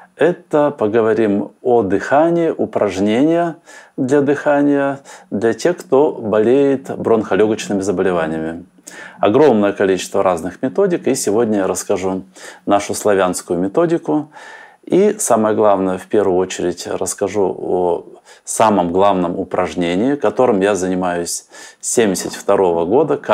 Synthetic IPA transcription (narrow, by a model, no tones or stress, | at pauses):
ɛt̪əpəɡəvɐɾʲimod̪ɨxanʲɪɪʔʊpɾʔɐʐnʲenʲɪjəd̪lʲɐd̪ɨxanʲɪjəd̪lʲɐtʲexkt̪o̞bɐlʲejɪt̪bɾonxɐlʲoɡət͡ɕnɨmʲɪzəbəlʲɪvanʲɪjəmʲɪ | ɐ̰ɡɾo̞mnəjəkɐlʲit͡ɕɪ̥st̪vəɾʔaznɨxmʲɪt̪o̞dʲɪkisʲɪvo̞dʲnʲəjɾəskɐʐunaʂʊslˠɐvʲanskʊjʊmʲɪt̪o̞dʲɪkʊ | isaməjəɡlˠavnəjəfpʲe̞rvʊjʊot͡ɕɪɾʲɪtʲrə̰skɐʐuosaməmɡlˠavnəmʊpɾʔɐʐnʲenʲɪɪkɐt̪o̞ɾɨmjazənʲɪmajʊsʲsʲemʲdʲɪsʲɪt̪ʲft̪ɐɾo̞vəɡo̞d̪ək